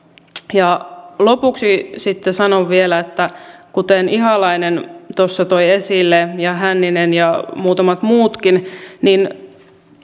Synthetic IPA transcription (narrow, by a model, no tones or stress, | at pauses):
jɑlopuksisit̪ːesɑnoʋʋielæet̪ːækut̪eniɦɑlɑinent̪osːɑt̪oiesilːejɑɦænːinenjɑmuːt̪ɑmɑt̪muːt̪kinnin